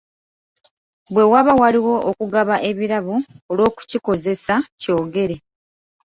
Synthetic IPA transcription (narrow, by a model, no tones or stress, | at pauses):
bwe̞waβawaliwo̞ʔokuɡaβaʔe̞βiɾaβoolwo̞ːku̥ciko̞ze̞saco̞ːɡe̞ɾe̞